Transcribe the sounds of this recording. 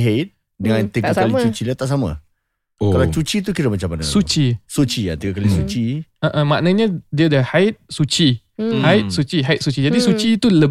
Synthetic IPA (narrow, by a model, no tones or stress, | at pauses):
ɦet̪̚ | dəŋãnt̪iɡakalit͡ʃut͡ʃilat̪aʔs̬amã̰ | kalat͡ʃut͡ʃit̪̬ukiɾəmat͡ʃamanəsut͡ʃisut͡ʃia̰t̪iɡakalisut͡ʃiəʔə̃maʔnə̃ɲə̃diadəhaɪt̪̚sut͡ʃi | haɪt̪̚sut͡ʃiɦaɪt̪̚sut͡ʃid͡ʒadisut͡ʃiːt̪ulə